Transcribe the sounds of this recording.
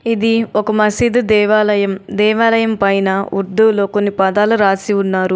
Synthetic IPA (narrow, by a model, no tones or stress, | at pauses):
id̪iɔkɐmɐsid̪ud̪ʋljɐmd̪ɛːʋaːlɐjɐmpɐjnɐuɾd̪ulo̞ːkonːipɐd̪aːluɾaːsiunːaːɾu